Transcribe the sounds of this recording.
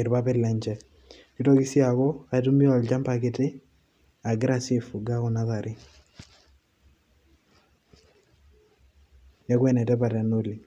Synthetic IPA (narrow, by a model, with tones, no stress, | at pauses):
e˨ɾba˦pɛ˦lɛ˨ɲd͡ʒɛ˨ | ki˦tɔ˦kɪ˦si˦a˨kɔ˦a˨tu˦mi˦ɔ˨ld͡ʒa˦mpa˨kɪ˨tɪ˦ | a˨ɡɾa˨sɪ˨fu˨ɡa˦kɔ˨na˦ða˨ɾɪ˦ | ja˦kwɛ˨nɛ˨tɛ˦pa˨ɾa˨no˦li˨